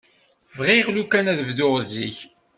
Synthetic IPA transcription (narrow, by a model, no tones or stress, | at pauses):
vʁiʁlukænæðvðʊʁziç